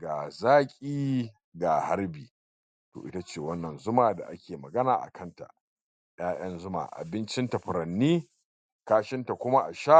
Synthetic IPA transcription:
ɡaː˨zaː˦kʲʼiː˦ | ɡa˨ha˦ɾbiː˨ | to̰˨ʔɪ˦ta˦t͡ʃeː˨wɐ˦nːɐ˨nzʊ˦maː˨da̰˨ʔa˦kʲeː˨mɐ˨ɡɐ˦naː˨ʔa̰˨kʰɐ˦nta̰˨ʔ | j̰aː˦j̰ɐ˦nzʊ˦ma̰ː˨ʔa̰˨bɪ˦nt͡ʃɪ˦nta˨ɸɪ˨ɾɐ˨nːiː˦ | kaː˦ʃɪ˦nta˨kʷʊ˦ma˦ʔa˨ʃa˦

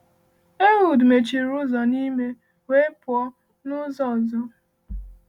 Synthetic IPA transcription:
e˦wu˨dme˨t͡ʃi˨ɾʊ˦zɔ˨ni˦me˦ | we˦e˦pʊ˨ɔ˦ | nʊ˦zɔ˨zɔ˦

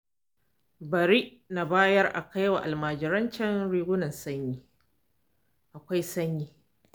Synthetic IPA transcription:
bɐ˨ɾi˦ʔna˨baː˦jɐ˦rʔa̰˨ka˦jwa˨ʔa˨lmaː˨d͡ʒɪ˨ɾɐ˦nt͡ʃɐ˦nɽiː˦ɡʷʊ˦nɐ˨nsɐ˦ɲjiː˦ | ʔa˨kʷa˦jsɐ˦ɲjiː˦

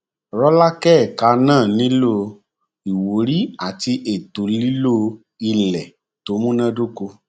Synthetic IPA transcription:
ɾɔ˦la˦kɛ˦˨ka˧nãː˦˨nĩ˨˦lo˦ | i˨wo˨˦ɾi˦a˦˨ti˧ʔe˨to˨li˦lo˦ | i˧lɛ˨ | to˨˦mũ˦nã˦du˦ko˧

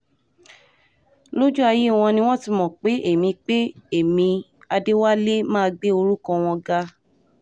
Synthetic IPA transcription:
lo˦d͡ʒu˦a˧ji˦˨w̃ɔ̃˧nĩ˧w̃ɔ̃˦ti˧mɔ̃˨k͡pe˨˦ʔe˦˨mĩ˧k͡pe˦e˦˨mĩ˧ | a˧de˦wa˦le˦mã˦˧ɡ͡be˦o˧ɾu˦kɔ̃˧w̃ɔ̃˧ɡa˧

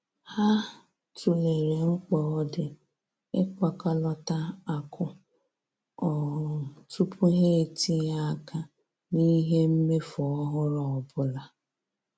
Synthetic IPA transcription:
ha˦ | tu˨le˨ɾe˨ŋ͡m̩˦k͡pɔ˦ɔ˦dɪ˨ | e˦kʷa˨ka˦lɔ˦ta˦a˨kʰʊ˦ | ɔ˨tu˦pʰʊ˦ɦe˦˨tʰi˦ja˦a˦ka˦ | ni˦ɦe˦m̩˦me˦fɔ˨ɔ˦ɦʊ˦ɾɔ˨ɔ˨bʊ˦la˨

